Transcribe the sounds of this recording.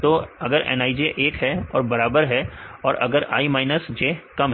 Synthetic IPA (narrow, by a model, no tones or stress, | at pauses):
t̪oːɐɡəɾɛ̰ːnaːid͡ʒeʔeːkɦɛɔ̰ːɾbɐɾaːbəɾɦɛɔːɾʔɐ̰ɡəɾa̰ːimaːɪnəsd͡ʒeːkɐmɦ